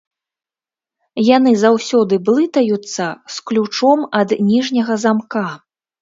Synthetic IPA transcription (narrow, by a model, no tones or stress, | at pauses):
jan̪ɨzawsʲɔd̪ɨblˠɨt̪ɐjut̪sːɐsklʲut͡ʂɔmɐd̪nʲiʐnʲɐɣɐzamka